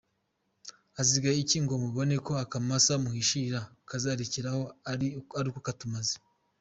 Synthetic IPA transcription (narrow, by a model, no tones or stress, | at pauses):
aziɡajiciːŋɡo̞muβo̞ne̞ko̞akamasamuhiʃiɾakazaɾeciɾaho̞aɾiaɾikokatumazi̥